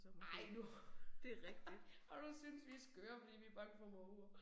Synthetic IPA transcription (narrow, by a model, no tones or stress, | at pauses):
smɑɪ̰nud̥e̝ʁɛɡ̥̚d̥id̥ | ɒd̥usynsʋisɡ̥øːɐfɒd̥ḭːʋib̥ɑ̈ːɡ̥fɒmɔuɐ